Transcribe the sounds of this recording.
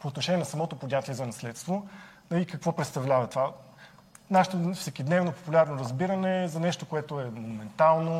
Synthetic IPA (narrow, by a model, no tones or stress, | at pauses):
poːt̪noʃɛniɛnɐsɐmɔt̪opod̪ʲat̪ʲiɛzɐnɐslɛt̪st̪vonɐlikɐkvɔpɾɛt̪st̪ɐvlʲavɐt̪va | naʃɛt̪ofsɛkʲid̪nɛvnopo̥pulʲaɾnoɾɐzbiɾənɛzɐnɛʃt̪okoɛt̪oɛmonumɛnt̪alˠno